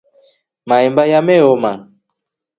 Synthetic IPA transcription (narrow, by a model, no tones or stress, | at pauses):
maɛmbajamɛoma